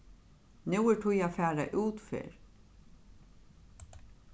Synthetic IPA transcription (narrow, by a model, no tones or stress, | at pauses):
nuwɛʈʰujafæːɾaʔuːt̪fɪ̰ːɹ